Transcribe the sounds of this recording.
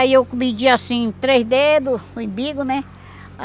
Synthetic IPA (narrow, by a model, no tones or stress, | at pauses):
iewkmid͡ʒiasĩt̪ɾezd̪ed̪ʊʊĩbiɡʊnɛ | a